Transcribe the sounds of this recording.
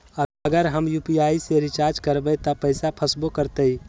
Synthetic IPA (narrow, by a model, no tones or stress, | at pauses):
əəɡəɾɦəmjupiaiseɾit͡ʃaɾd͡ʒkəɾbət̪əpəɪsapʰəsbokəɾt̪əi